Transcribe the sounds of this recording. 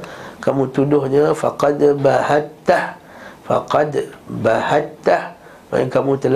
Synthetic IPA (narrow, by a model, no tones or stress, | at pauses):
kamut̪udʊhɲəfa̰qɑd̪bahat̪ːah | fa̰qɑd̪bahat̪ːah | ma̰ŋkamut̪əl